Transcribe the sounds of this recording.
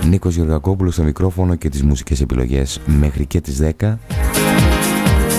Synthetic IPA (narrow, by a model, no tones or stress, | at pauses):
niko̞zʝo̞ɾɣɐko̞pulo̞st̪omikɾo̞fo̞no̞ce̞t̪izmusi̥ce̞se̞pilo̞̰ʝe̞sme̞xɾice̞t̪izðe̞kɐ